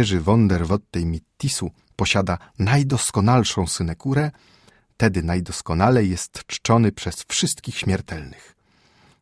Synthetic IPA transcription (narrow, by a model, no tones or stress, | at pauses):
ɛʐɘvɔnd̪ɛɾvɔt̪ːɛjmʲit̪ːisu | pɔɕad̪anajd̪ɔskɔnalʂɔ̃w̃sɘnɛkuɾɛ | t̪ɛd̪ɘnajd̪ɔskɔnalɛjːɛst̪t͡ʂt͡ʂɔnɘpʂɛsfʂɘst̪kʲixɕmʲɛɾt̪ɛlnɘx